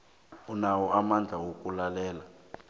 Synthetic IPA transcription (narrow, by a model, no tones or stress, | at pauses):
unawɔamand͡ɮʱawokʼulalɛːla